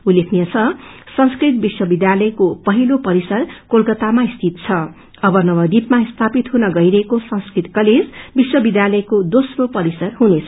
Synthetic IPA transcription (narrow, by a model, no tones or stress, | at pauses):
ulːekʰnijʌt͡sʰʌsʌ̃ŋskrit̪̚biswʌbid̪jalʌjkopʌɦilopʌɾisʌrkolkʌt̪amaist̪ʰit̪t͡sʰʌ | ʌbʌnʌbʌd̪ipmaist̪ʰapit̪ɦunʌɡʌjɾʌɦekosʌ̃ŋskrit̪kʌled͡zbiswʌbid̪jalʌjkod̪osropʌɾisʌrɦunet͡sʰʌ